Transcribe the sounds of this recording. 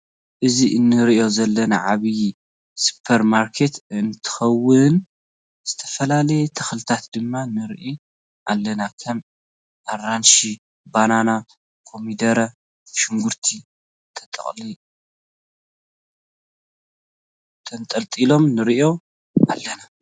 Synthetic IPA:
ʔɨziʔɨnːɨɾiʔo̞zɐlːɐnaʕaβɨj | su̥pʰɐɾmaɾkʰe̞t̪ɨnt̪ʰɨ̥xɐwːɨn | z̥ɨt̪ʰɐ̥fɐlalɐjet̪ʰɐxlɨt̪ʰat̪d̪ɨmːanɨɾʔi | ʔalːɐnakʰɐm | ʔaranʃi | banana | kʰo̞mid̪ɐɾɐ | ʃɨŋɡuɾt̪ʰi | t̪ʰɐt̪ʼɐ̰χʼli | t̪ʰɐnt̪ʼɐlt̪ʼilo̞mnɨɾiʔo̞ | ʔalːɐna

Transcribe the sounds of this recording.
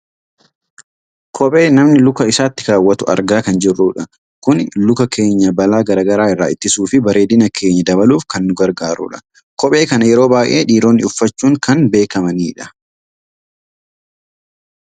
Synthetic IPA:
kʰɔpʼe̞ːnɐmnɪlʊkɐɪsaːt̪ːɪ̥kaːwːɐt̪ʊʔɐ̰ɾɡaːkɐnd͡ʒɪrːuːᶑɐ | kʊnlʊkɐkʰe̞ːɲːɐbɐlaːɡɐɾaːɡɐɾaːɪrːaːɪt̪ːɪsuːfɪbɐɾe̞ːd̪ɪnɐkʰe̞ːɲːɐd̪ɐβɐluːfkɐnːʊɡɐɾɡaːɾṵːᶑɐ̥ | kɔpʼe̞ːkɐnɐjɛɾo̞ːbaːjʔe̞ːᶑiːɾo̞ːnːɪʊfːɐt͡ʃːuːŋkɐnbe̞ːkɐmɐniːᶑɐ̥

